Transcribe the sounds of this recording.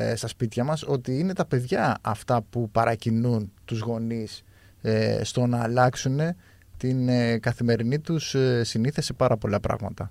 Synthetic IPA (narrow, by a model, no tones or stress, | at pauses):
st̪ɐspit̪çɐmɐso̞t̪iine̞t̪ɐpe̞ðʝɐɐft̪ɐpupɐɾʔɐcinunt̪uzɣo̞nis | st̪o̞nɐːlɐksune̞ | t̪inkɐθime̞ɾinit̪ussiniθese̞pɐɾɐpo̞lɐpɾɐ̰ɣmɐt̪ɐ